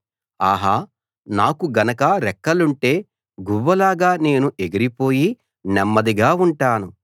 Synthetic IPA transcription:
aːɦaː | naːkuɡɐnɐkɐɾɛkːɐluɳʈe̞ː | ɡuʋːɐlaːɡaːne̞ːnuʔe̞ɡiɾipo̞ːji | nɛmːɐd̪iɡaːuɳʈaːnu

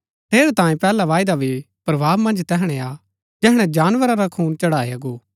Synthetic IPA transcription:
t̪ʰeːɾet̪ãːẽpɛːlaʋaːɪd̪abʱi | pɾɐʋʱaːbmɐ̃nd͡ʒt̪ɛɦɽ̃ɛa | d͡ʒɛɦɽ̃ɛ̃d͡ʒaːnʋəɾaɾakʰuːnt͡ʃɐɽaːeaɡoː

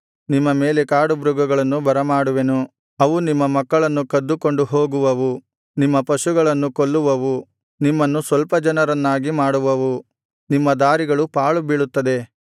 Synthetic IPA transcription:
nimːɐmeːlekaːɽubɾuɡɐɡɐɭɐnːubɐɾɐmaːɽuʋenu | ɐʋunimːɐmɐkːɐɭɐnːukɐd̪ːuko̞ɳɖuɦoːɡuʋɐʋu | nimːɐpɐʃuɡɐɭɐnːukoɭːuʋɐʋu | nimːɐnːusʋɐlpɐd͡ʒɐnɐɾɐnːaːɡimaːɽuʋɐʋu | nimːɐd̪aːɾiɡɐɭupaːɭubiɭut̪ːɐd̪e̞

